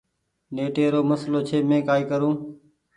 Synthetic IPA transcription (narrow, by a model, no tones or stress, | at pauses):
neːʈeːɾoːməsloːt͡ʃʰeːmẽːkaːiːkəɾũː